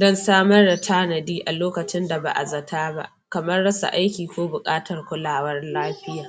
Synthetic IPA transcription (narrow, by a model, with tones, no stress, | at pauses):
dɔ˦nsaː˦mɐ˦rda˨tʰaː˦nɐ˨diː˦ʔa˨loː˦kɐ˨t͡ʃɪ˦nda˨ba̰˨ʔa̰˨zɐ˨tʰaː˦ba̰˦ʔ | kɐ˨mɐ˦rːɐ˦sa̰˨ʔa˦jkʲiː˨kʷoː˦bʊ˨kʼaː˦tɐ˨rkʷʊ˦laː˨wɐ˦rlaː˦ɸɪ˦jaː˨